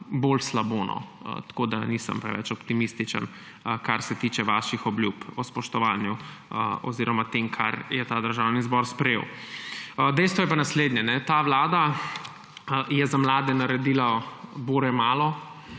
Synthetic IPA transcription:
bolslaboːnʔɔ̰t̪ḁkod̪anisə̰mpɾɛ̰ʋɛ̰t͡ʃɔpt̪imist̪it͡ʃə̰n | kaɾsɛt̪iːt͡ʃɛʋaʃixɔblʲjupɔspɔʃt̪ɔʋanjuɔ̰ziɾɔmat̪emkʰa̰ɾjɛt̪aːd̪əɾʒawnizbɔɾspɾɛjḛw | d̪ɛjst̪ʋɔjɛpanasleːd̪ɲɛnɛt̪aʋlaːd̪a | jɛzamlaːd̪ɛnaɾɛd̪iːlaboɾɛmaːlɔ

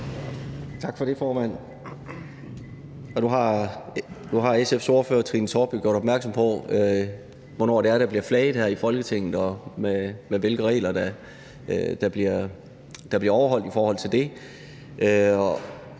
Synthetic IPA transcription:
t͡sʰɑ̈ɡ̥fɒ̽ɾe̝fɒːmæn̰ | ɒ̽d̥uɦɑ̈ | d̥uɦɑ̈esefso̝ːɐfø̰ːɐt͡sʰʁḭːnsʰɒːb̥oɡ̥jo̝ɐɾ̥ɒb̥̚mæɐɡ̥sɒ̽mpʰɒ̽ø | ʋɒnɒ̰ːɾeæɐɾ̥æ̈b̥liɐflɛːɪðˠhæɐifɒ̽lɡ̥ət͡sʰeŋ̰ð̩ˠɒ̽memeʋe̝lɡ̥əʁɛ̰ːlɐd̥æ | d̥æb̥liɐ | d̥ɑ̈b̥liɐɒʊɐɦɒ̽l̰d̥ifɒːhɒ̽l̰t͡sʰe̝ld̥e̝ | ʔøɒ̽

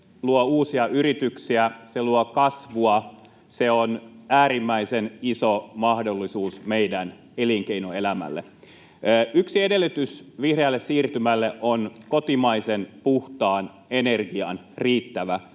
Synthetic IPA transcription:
luouːsiɑyɾit̪yksiæseluokɑsʋuɑ | se̞onæːɾimːæisenisomɑhdo̞lːisuːsmeidæn | eliŋkeinoelæmæ̰lːḛː | ʔyksiede̞lːyt̪ysʋihreɑlːessiːrt̪ymælːeʔonkot̪imɑisenpuht̪ɑːn | e̞ne̞rɡiɑn | riːt̪ːæʋæ

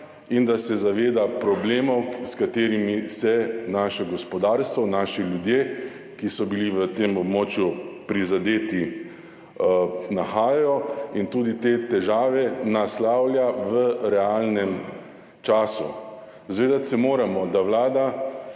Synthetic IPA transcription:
ind̪asɛzaʋeːd̪apɾɔbleːmɔwskat̪eːɾimisɛnaːʃɔɡɔspɔd̪aːɾst̪ʋɔnaːʃilʲjud̪jeː | kisɔbiliʋət̪eːmɔbmɔːt͡ʃjupɾizad̪eːt̪i | naxaːjajɔint̪uːd̪it̪eːt̪ɛʒaːʋɛnaslaːwljaʋəɾɛalnɛm | t͡ʃaːsṵ | zʋeːd̪at̪sɛmoːɾamɔd̪awlaːd̪a

